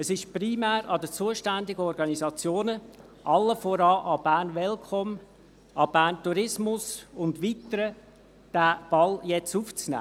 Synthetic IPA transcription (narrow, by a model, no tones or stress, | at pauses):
əsɪʃprimæːɾɑd̪ət͡suːəʃtændɪɡəɔɾɡɑnizɑt͡sjoːnə | ʔɑlːəfɔɾɑːʔɑb̥æːnʋɛlkʰχɔm | ɑb̥æːntuɾɪsmʊsʊndʋiːtəɾə | d̥æːb̥ɑljɛt͡suft͡snæ̰ː